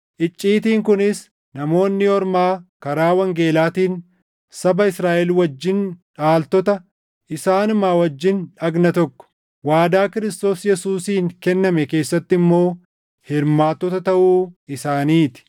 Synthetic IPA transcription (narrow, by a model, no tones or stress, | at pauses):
ʔɪt͡ʃʼːiːt̪iːŋkʊnɪs | nɐmo̞ːnːɪɔɾmaːkɐɾaːwɐŋɡe̞ːlaːt̪iːn | sɐbɐɪsɾaːʔɛlwɐd͡ʒːɪnᶑaːlt̪ɔt̪ɐ | ʔɪsaːnʊmaːwɐd͡ʒːɪnᶑɐɡnɐt̪ɔkːɔ̥ | waːd̪aːkɪɾɪst̪o̞ːsjɛsuːsiːŋkɛnːɐmɛke̞ːsːɐt̪ːɪmːo̞ː | hɪɾmaːt̪ːɔt̪ɐt̪ɐʔuːɪsaːniːt̪ɪ̥